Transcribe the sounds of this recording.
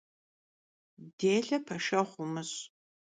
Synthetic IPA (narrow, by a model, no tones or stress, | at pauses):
deːɮɐpʰɐʃɐχʷʊmɨɕ